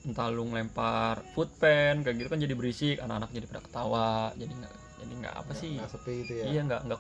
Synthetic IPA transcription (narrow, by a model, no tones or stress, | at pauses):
nt̪alʊŋlɛmparfut̪̚pɛnkaɡit̪ukand͡ʒadibəɾisɪkanakanak̚d͡ʒadipadakə̥t̪awaʔd͡ʒadiŋɡa̰ʔ | d͡ʒa̰diŋɡa̰ʔa̰pasɪsət̪iit̪ujijaŋɡa̰ʔŋɡa